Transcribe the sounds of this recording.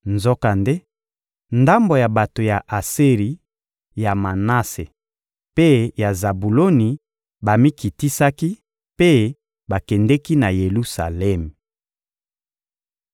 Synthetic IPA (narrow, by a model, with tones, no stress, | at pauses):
nzo˦ka˨nde˦ | nda˦mbo˨ja˨ba˨to˨ja˨ʔa˨si˦ʁi˨ | ja˨ma˨na˦se˨ | pe˦ja˨za˨bu˨lo˦ni˨ | ba˨mi˦ki˨ti˦sa˦ki˦ | pe˦ | ba˨kɛ˨ndɛ˦ki˦na˨je˨lu˦sa̰˨lɛ˦m˨